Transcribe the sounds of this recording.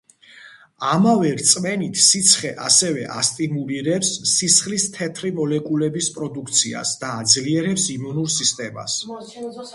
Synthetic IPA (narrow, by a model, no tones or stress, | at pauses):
amavɛɾt̪sʼmɛnit̪ʰsit̪sʰχɛʔasɛvɛʔa̰st̪ʼimuliɾɛpsːisχlist̪ʰɛt̪ʰɾimɔlɛkʼulɛbispʼɾɔd̪ukʰt̪sʰia̰sd̪̥aːd̪zliɛɾɛpsimunuɾsist̪ʼɛma̰s